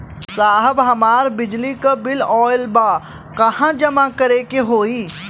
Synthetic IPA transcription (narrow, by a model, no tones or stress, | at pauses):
saːɦəbɦɐmaːɾbɪd͡ʒlikabɪlɔːɪlbaː | kɐhãd͡ʒɐmakɐɾeːkeɦoːiː